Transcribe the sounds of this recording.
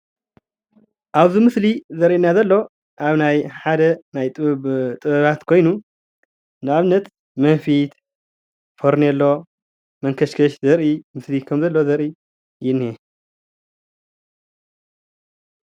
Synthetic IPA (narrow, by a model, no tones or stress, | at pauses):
ʔaβzimɨslizɐɾʔinːazɐlːo̞ | ʔaβnajħad̪ɐnajt̪ʼɨβt̪ʼɨβɐβat̪kʰo̞jnu | nɨaβnɐt̪ | mɐnfit̪ | foɾnelːo̞ | mɐŋkʰɐʃkʰɐʃzɐɾʔimɨslikʰɐmzɐlːo̞zɐɾʔi | jɪnːe